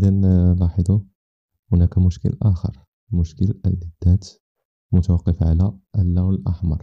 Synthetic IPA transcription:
d̪ænlɑħəd̪ˤu | hʊnækæmʊʃkə̰lʔaxə̰ɾˤ | mʊʃkələlːid̪̥ːæt̪ | mʊt̪awɑqːəfʕa̰læəlːæwəlʔa̰ħmɑ̰ɾˤ

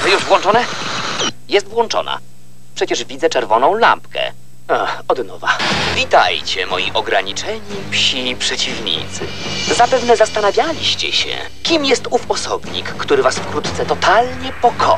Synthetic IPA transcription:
ɔjuʐvwɔnt͡ʂɔnɛ | jɛst̪vwɔnt͡ʂɔ̰na̰ | pʂɛt͡ɕɛʐvʲid̪zɛt͡ʂɛɾvɔnɔ̃w̃la̰mpkɛ̰ | aɔd̪nɔvavʲit̪a̰jt͡ɕɛmɔ̰jḭʔɔɡɾaɲit͡ʂɛɲipɕipʂɛt͡ɕivɲḭt̪sɘ̰zapɛvnɛzast̪anavʲjalʲiɕt͡ɕɛ̰ɕɛ̰ | kʲimjɛst̪ufɔsɔbɲḭkːt̪uɾɘvasfkɾut̪t̪sɛt̪ɔt̪alɲɛpɔkʰɔ̰

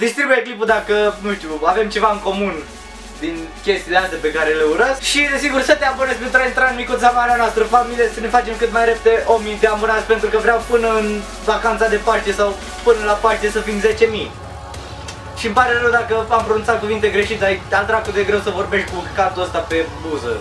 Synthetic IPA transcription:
d̪ist̪ɾibujeklip̬ud̪akənuʃt̪uave̞mt͡ʃe̞vaɨŋko̞mun | d̪inkʲe̞st̪ileast̪epe̞kaɾeleuɾətskʃid̪esiɡursət̪eabənespent̪ɾaint̪ɾaɨnmikut̪samaɾeanoast̪ɾəfamiliesəne̞fat͡ʃe̞mkɨt̪majɾeped̪eʔomid̪eamɨnat̪sʲpe̞nt̪ɾukəvɾʲawpɨnəɨn | vakant̪sad̪e̞paʃt̪e̞saw | pɨnəlapaʃt̪e̞səfimze̞t͡ʃe̞mi | ʃiɨmpaɾeɾewd̪akəampɾonunsat̪̚kuvint̪e̞ɡɾe̞ʃit̪eaialt̪ɾak̚kut̪eɡɾe̞wsəvo̞rbe̞ʃt̪̚ʲkukat̪uəst̪ape̞buzə̰

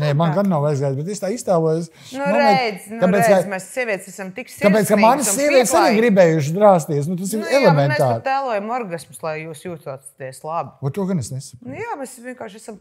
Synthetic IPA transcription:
nemanɡanːawajzɡajzbet̪est̪aːist̪aːluɔjs | nunuɾɛɛj̪znt̪apeːt̪skazmɛssiɛʋʲiɛt̪sæsɐmt̪iksapeːt̪skamanssːiɛvʲiɛt̪ssaniɡɾibɛːjuʃ̬ɪd̪ɾaːst̪iɛs̬nut̪asiɾɛlˠemmẽnet̪aɾt̪æːlˠuɔjɐmoɾɡasmslˠajjuːsjuːt̪aːt̪t̪ɛslˠabiot̪uɔɡanesnesɐknjaːmesʋʲiɛnkaːɾʃæsɐm

